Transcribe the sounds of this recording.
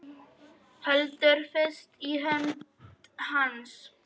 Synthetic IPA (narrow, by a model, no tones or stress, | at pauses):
hœlt̪əɾfɛst̪iɦɛn | hans